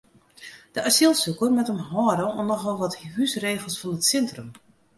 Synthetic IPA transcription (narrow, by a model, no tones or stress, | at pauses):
d̥əʔasilˠsukərmɛtəmɦɔːɾəunːɔxʋɔlˠʋɔthysreːɣəlˠsfɔnətsɛntrøm